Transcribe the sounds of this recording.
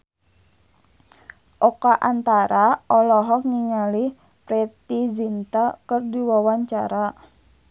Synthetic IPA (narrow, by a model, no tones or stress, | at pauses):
ʔɔkaʔant̪aɾaɔlɔɦɔk̚ŋiŋali | pɾɛt̪izint̪akərdiwawaɲt͡ʃa̰ɾa